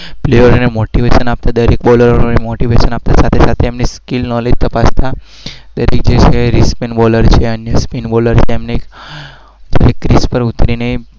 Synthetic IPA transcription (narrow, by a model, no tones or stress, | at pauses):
pleəɾonemoʈiʋeʃənap̚t̪ad̪əɾekbɔləɾoɾonemoʈiʋeʃənap̚t̪asat̪ʰesat̪ʰeːmniskilnɔleid͡ʒt̪əpast̪ʰa | d̪əɾek̚d͡ʒet͡ʃʰeɾispinbɔləɾt͡ʃʰeənjəspinbɔləɾt͡ʃʰeːmneːk | d͡ʒ̪ə̰ɾekːɾispəɾut̪ɾinəi